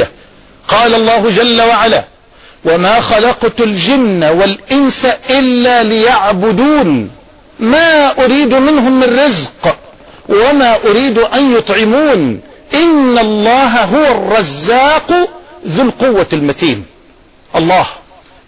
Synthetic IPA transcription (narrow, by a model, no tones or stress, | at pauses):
a | qɑːlalˤːɑːɦʊd͡ʒalːawaʕalaː | wamaːxɑlɑqt̪ʊld͡ʒɪnːawalʔɪnsaʔɪlːaːlɪjaʕbʊd̪uːn | maːʔʊɾiːd̪mɪnɦʊmːɪnrːɪzq | wamaːʔʊɾiːd̪ʔanjʊt̪ˤʕɪmuːn | ʔɪnːalˤːɑːɦaɦʊwarˤːɑzːaːqðʊlqʊwːalmat̪iːm | ʔɑlˤːɑːh